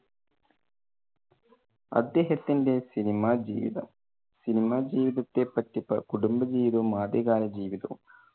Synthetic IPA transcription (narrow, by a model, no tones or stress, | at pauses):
ɐ̰d̪ːeːɦɐt̪ːindeːsinimaːd͡ʒiːʋḭd̪ɐm | sinimaːd͡ʒiːʋid̪ɐt̪ːeːpːɐʈːipːɐ̰kuɽumbɐd͡ʒiːʋid̪oːmaːd̪eɡaːɾɐd͡ʒiːʋid̪ɐ̰m